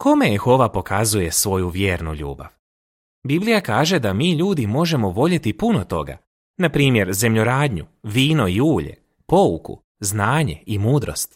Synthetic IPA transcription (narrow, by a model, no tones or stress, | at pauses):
ko̞meexo̞ʋapo̞kʰazuje̞sʋo̞juʋjeːɾnṵʎṵːba̰ʋ | biblijakaːʒe̞d̪amiːʎuːd̪imo̞ʒe̞mo̞ʋo̞ʎet̪ipunot̪o̞̰ɡa̰ | napɾiːmje̞ɾze̞mʎoɾaːd̪ɲuʋiːno̞iuːʎḛ | po̞ukṵ | znaːɲe̞̰imuːd̪ɾo̞̰st̪